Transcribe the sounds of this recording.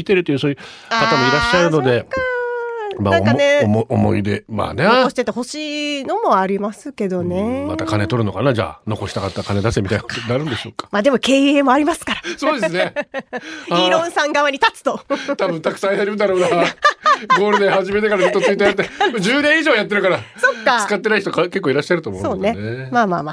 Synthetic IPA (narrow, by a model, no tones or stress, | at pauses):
it̪e̞ɾɯ̟t̪ːeiɯ̟ːsoːjɯ | kat̪amoiɾaɕːaɾɯno̞d̪e̞ | maãŋkaneʔomo̞̰ḭd̪e̞ma̰ːneokoɕi̥t̪et̪ːeho̞ɕiːno̞mo̞aɾʲimasɨke̞d̪o̞ne̞ma̰t̪akane̞t̪o̞ɾɯ̟no̞kanad͡ʑa̰ːno̞ko̞ɕi̥t̪akat̪ːakane̞d̪asemit̪ajnakot̪onaɾɯ̟̃nd̪eɕo̞ːkḁmaːd̪e̞mo̞ke̞ːeːmo̞aɾʲimasɨ̥kaɾaso̞ːd̪e̞sɨne | haiɾõ̞ɰ̃sãŋɡaβaɲ̟it̪at͡sɨ̥t̪o̞t̪abɯ̟̃nt̪akɯ̥sãit̪aɾʲimɯd̪aɾo̞ːnaɡo̞ːɾɯd̪ehaʑime̞t̪ekaɾat͡ɕo̞t̪ːot͡sɨit̪̬ːojat̪ːed͡ʑɨːnẽ̞ɰ̃iʑo̞ːjat̪ːe̞ɾɯ̟kaɾaso̞kːat͡sɨ̥kat̪ːenaiçit̪okake̞k̬ːoiɾaɕːaɾɯt̪oːmõ̞ːso̞ːne̞emaːmaːma